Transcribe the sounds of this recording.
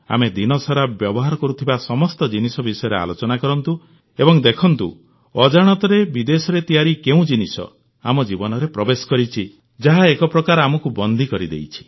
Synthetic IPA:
a̰med̪inɔsɔɾabjɔbɔɦaɾɔkɔɾut̪ʰibasɔmɔst̪ɔd͡ʒinisɔbisɔjɔɾea̰lot͡ʃɔnakɔɾɔnt̪u | ebɔŋd̪ekʰɔnt̪ṵ | ɔd͡ʒaɽ̃ɔt̪ɔɾebid̪esɔɾet̪ijaɾikeũd͡ʒinisɔ̰ | a̰mɔd͡ʒibɔnɔɾepɾɔbesɔ̥kɔɾit͡ʃʰi | d͡ʒaɦaekɔpɾɔkaɾamɔkubɔnd̪ʱikɔɾid̪ḛjt͡ʃʰi̥

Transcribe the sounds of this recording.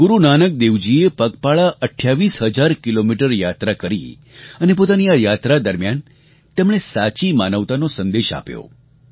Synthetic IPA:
ɡuɾunanək̚d̪eʋd͡ʒiepəkpaɭaʔəʈʰːjaʋisɦəd͡ʒaɾkilomiʈəɾjat̪ɾakəɾḭ | ənepot̪aniajat̪ɾad̪əɾmjan | t̪emɽ̃esat͡ʃimanəʋt̪anosənd̪eʃa̰pjo̰

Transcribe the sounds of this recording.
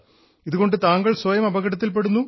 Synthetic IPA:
iðuɣo̞ɳɖɨt̪aːŋɡɐɭsʋɐjɐmɐbɐɣɐɽɐt̪̬ːilp̬e̞ɽunːu

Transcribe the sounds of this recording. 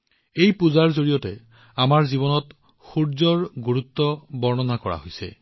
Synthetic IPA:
ejpuzaɹzoɹijɔtɛ | amaɹzibɔnɔt | xuɹzɔɹɡuɹut̪ːɔbɔɹnɔnakɔɹa̰ɦojsɛ̰

